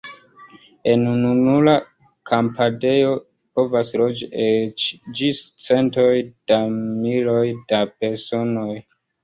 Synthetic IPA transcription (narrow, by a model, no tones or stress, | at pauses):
e̞nununula | kʰampʰade̞jo̞ | po̞vasɾo̞d͡ʒiet͡ʃd͡ʒist͡se̞nto̞jd̥amilo̞jd̥ape̞ɾso̞no̞j